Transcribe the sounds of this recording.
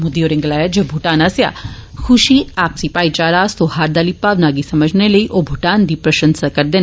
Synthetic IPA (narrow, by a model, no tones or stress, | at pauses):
mud̪ioːɾɪ̃ŋɡlaːjad͡ʒebʱuʈaːnaːsja̰xuʃiaːp̚sipaːit͡ʃaːɾaːst̪oɦaːɾd̪aːlipaːʋnaːɡisɐməd͡ʒʱneləiʔobʱuʈaːnd̪ipɾɐʃənsakɐɾd̪en